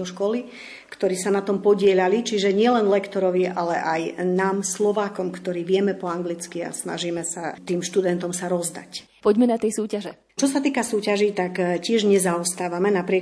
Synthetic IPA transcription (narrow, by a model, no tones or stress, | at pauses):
ɔʃkɔli | kt̪ɔɾiːsanat̪ɔmpɔɟɪɛʎalit͡ʃiʒɛɲɪɛlɛnlɛkt̪ɔɾɔʋiʔalɛʔajnaːmslɔʋaːkɔmkt̪ɔɾiːʋɪɛmɛpɔaŋɡlit͡skia̰sna̰ʒiːmɛsat̪iːmʃt̪ud̪ɛnt̪ɔmsaɾɔzd̪a̰c | pɔɟmɛnat̪ɛjsuːcaʒɛ | t͡ʃɔsat̪iːkasuːcaʒit̪akcɪɛʒɲɛzaɔst̪aːʋamɛnapɾɪɛ